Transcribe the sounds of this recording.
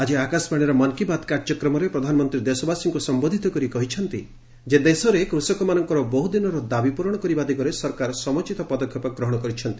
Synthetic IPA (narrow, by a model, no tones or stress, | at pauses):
ad͡ʒiakasbaɽ̃iɾɔmɔnkibad̪kaɾd͡ʒɔkɾɔmɔɾepɾɔd̪ʱanɔmɔnt̪ɾid̪esɔbasiŋkusɔmbod̪ʱit̪ɔkɔɾikɔɦit͡ʃʰɔnt̪i | d͡ʒed̪esɔɾekɾusɔkɔmanɔŋkɔɾɔbɔɦud̪inɔɾɔd̪abipuɾɔɽ̃ɔkɔɾibad̪iɡɔɾesɔɾkaɾɔsɔmɔt͡ʃit̪ɔpɔd̪ɔkʰjɔpɔɡɾɔɦɔɽ̃ɔkɔɾit͡ʃʰɔnt̪i̥